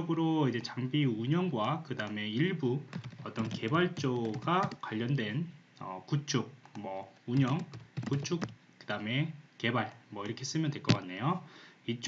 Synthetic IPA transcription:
ʌɡɯɾoid͡ʑe̞t͡ɕaŋbiuɲʌŋɡwakɯdaɯme̞iɭbuʌt͈ʌnke̞baɭt͡ɕ͈oɡakwaʎːʌndwe̞n | ʌ̰kut͡ɕʰuk̚mʌuɲʌŋkut͡ɕʰuk̚ | kɯdame̞ke̞baɭmwʌiɾʌkʰe̞s͈ɯmjʌndwe̞ɭk͈ʌk͈anːe̞joit͡ɕ͈

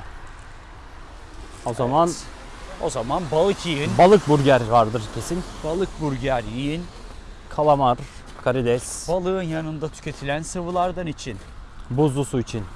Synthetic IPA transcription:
ozaman | o̞̰zamanbalˠɯkʰijinbalˠɯk̚buɾɟæɾvaɾd̪ɯɾcʰe̞sinbalˠɯk̚buɾɟæɾjijin | kʰalˠamaɾ | kʰaɾid̪ɛsb̥alˠɯɯnjanɯnd̪at̪ʰy̥cʰʲe̞t̪ʰilʲænsɯvɯlˠaɾd̪anit͡ʃʰin | buzˠusuit͡ʃʰin

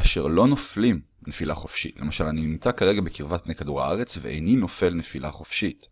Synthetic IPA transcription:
aʃe̞ʁlo̞noflim | nefilaχo̞fʃḭtle̞maʃalaninimt͡sakaʁe̞ɡabekiʁvat̪̚pnejkaduʁa̰aʁe̞t͡sveʔḛnino̞fe̞lne̞filʔaχo̞fʃit

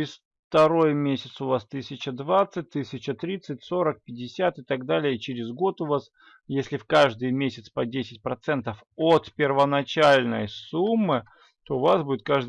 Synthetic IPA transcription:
ɪsf | t̪ɐɾo̞jmʲesʲɪt̪sʊvast̪ɨsʲɪt͡ɕəd̪vat̪sɨt̚ʲt̪ːɨsʲɪt͡ɕət̪ɾʲit̪sɨtʲso̞ɾək̚pʲɪdʲɪsʲat̪ɨt̪aɡd̪alʲɪjət͡ɕɪɾʲɪzɡo̞t̪ʊvas | jesʲlʲɪfkaʐd̪ɨjmʲesʲɪt̪spɐdʲesʲɪ̥t̚ʲpɾɐt̪sɛnt̪əf | ot̪pʲɪrvənɐt͡ɕalʲnə̰jsumːɨ | t̪oʊvasbudʲɪt̪̚kaʐd̪

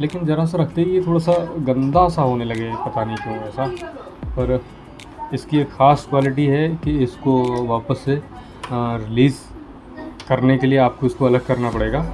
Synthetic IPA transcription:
leːkɪnd͡ʒɐɾas̬eɾɐk̚ʰt̪eɦjet̪ʰoːɽasaɡɐ̃nd̪asaɦoːnelɐɡepɐt̪anĩkjõɛːsa | pɐɾ | ɪskieːkxaːskwaːlɪʈiɦɛkiɪskoʋaːpəsːe | ɾɪliːz | kɐɾnekelieaːp̚koɪskoɐləɡ̚kɐɾnapɐɽeːɡaː

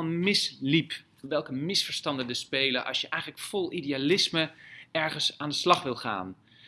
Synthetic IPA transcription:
nmɪslip | ʋɛlˠkəmɪsfəɹstɑndədəspejləʔɑ̰sjəʔɛjχələkfɔlˠʔidialɪsməɛɹχənsaːndəslɑχʋɪlˠχa̰ːn

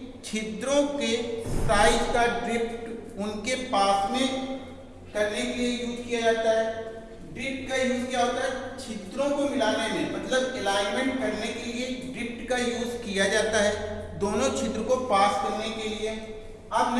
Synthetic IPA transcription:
t͡ʃʰɪt̪ɾõkesaːɪʈkaɖɾɪpʈʊnkepaːsmẽ | kɐɾnekeliejuːzkijad͡ʒaːt̪aɦɛː | ɖɾɪp̚ʈ̚kajuːzkijaɔːt̪aɦɛt͡ʃʰɪt̪ɾõkomɪlaːnemẽmɐt̪ləbelaːɪmẽɳʈkɐɾnekelieɖɾɪp̚ʈkajuːzkijad͡ʒaːt̪aɦɛː | d̪oːnõt͡ʃʰɪt̪ɾəkopaːskɐɾnekelie | aːpn

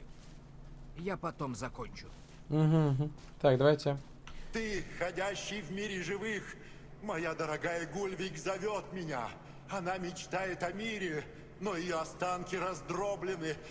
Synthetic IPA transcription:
japɐt̪o̞mzɐkonʲt͡ɕʊ | m̩ɦm̩ɦm̩ | t̪ak̚d̪ɐvajtʲɪ | t̪ɨxɐdʲæɕːɪjvmʲiɾʲɪʐɨvɨx | mɐjad̪əɾɐɡajəɡulʲvʲɪkzɐvʲot̪mʲɪnʲa | ɐnamʲɪt͡ɕt̪ajɪt̪ɐmʲiɾʲɪ | noɪjɐst̪ankʲɪɾɐzd̪ɾoblʲɪnɨ

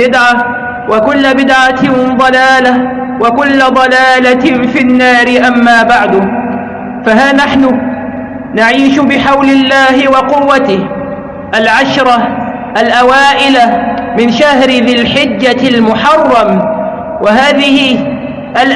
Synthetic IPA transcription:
ɪd̪ʕa | wakʊlːabɪd̪ʕad̪ˤɑlaːla | wakʊlːad̪ˤɑlaːlafɪnːaːɾɪʔamːaːbaʕd̪ʊ | faɦaːnaħnʊ | naʕiːʃʊbɪħawlɪlːaːhɪwɑqʊwːat̪ɪh | ʔalʕaʃɾˤɑ | ʔalʔawaːʔɪlamɪnʃahɾɪðɪlħɪd͡ʒːalmʊħɑrˤːɑm | waɦaːðɪhɪ | ʔal

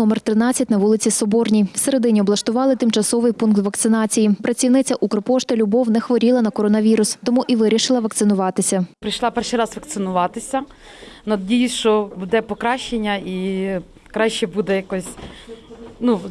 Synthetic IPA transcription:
nɔmert̪ɾɪnɑt͡sʲːɐt̚ʲnɐʋulˠɪt͡sʲisɔbɔrnʲijw̥se̞ɾed̪ɪnʲiɔblˠɐʃt̪ʊʋɑlˠɪt̪ɪmt͡ʃɐsɔʋɪjpunkt̪ʋɐkt̪sɪnɑt͡sʲijipɾɐt͡sʲiwnɪt͡sʲɐʔukɾɔpɔʃt̪ɐlʲʊbɔwnɛxʋɔɾʲilˠɐnɐkɔɾɔnɐʋʲiɾʊst̪ɔmuʔiʋɪɾʲiʃɪlˠɐʋɐkt̪sɪnʊʋɑt̪ɪsʲɐpɾɪjʃlˠɑpɛrʃijɾɑsʋɐk̚t̪sɪnʊʋɑt̪ɪsʲɐ | nɐdʲijiʃt͡ʃɔbud̪ɛpɔkɾɑʃt͡ʃenʲːɐi | kɾɑʃt͡ʃɛbud̪ɛjɐkɔsʲ | nu

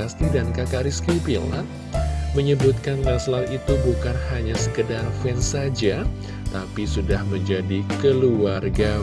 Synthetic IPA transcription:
ast̪idankakaɾiskipila̰n | məɲəbut̪̚kanlaslawʔit̪ubukanhaɲasə̥kədarfɛnsad͡ʒa | t̪apisudahməɲd͡ʒadikəluarɡa

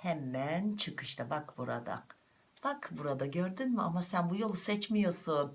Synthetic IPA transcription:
hɛmːænt͡ʃʰɯkʰɯʃt̪ʰabakbuɾa̰d̪a̰q | b̥akbuɾad̪aɟøɾd̪ynmiʔamasænbujo̞lˠsɛt͡ʃmijoɾsun

